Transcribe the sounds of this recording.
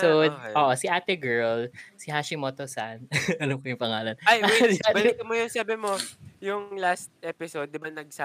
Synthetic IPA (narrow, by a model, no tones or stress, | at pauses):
owd̪ʔoːʔosɪʔaːt̪ɛɡɛɹlsɪɦaʃimot̪osanʔɐlamkojʊŋpɐŋaːlɐnajasɪatbɐlɪt̪ɐmojʊnsaːbɪmojʊŋlast̪̚ʔɛpɪsowd̪̚ːɪbanɐɡ̚sa